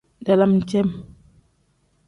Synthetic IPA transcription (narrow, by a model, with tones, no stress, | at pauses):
da˨la˦mn˨t͡ʃɛ˦m